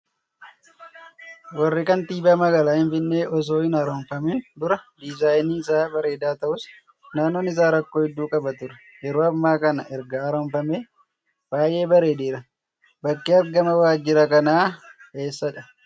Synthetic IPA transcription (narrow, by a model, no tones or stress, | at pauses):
wɐrːɪkɐnt̪iːbaːmɐɡɐlaːhɪnfɪnːe̞ːʔɔs̬o̞ːɪnɐɾoːmfɐmend̪ʊɾɐd̪ɪzaːjniːɪsaːbɐɾe̞ːd̪aːt̪ɐʔʊs | naːnːoːnɪs̬aːɾɐkːoːhɛd̪ːuːkʼɐbɐt̪ʊɾɐ̥ | jɛɾoːɐmːaːkɐnɐʔɛɾɡɐːɾoːmfɐmeː | b̥aːjʔe̞ːbɐɾe̞ːd̪eːɾɐ | bɐkːeːɐɾɡɐmɐwaːd͡ʒːɪɾɐkɐnaːke̞ːsːɐᶑɐ